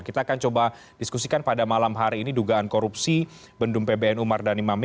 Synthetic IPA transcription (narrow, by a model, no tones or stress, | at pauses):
kit̪aːkant͡ʃoba | diskusikanpadamalamɦaɾiːniduɡaankoɾupsi | bəndʊmpebeɛnumardanimam